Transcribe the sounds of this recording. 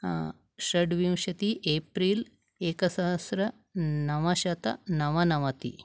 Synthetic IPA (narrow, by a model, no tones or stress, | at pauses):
ʃɐɖʋiwʃɐt̪iʔeːpɾiːl | eːkɐsɐɦɐsɾɐ | nɐʋɐʃɐt̪ɐ̰nɐʋɐnɐʋɐt̪ḭ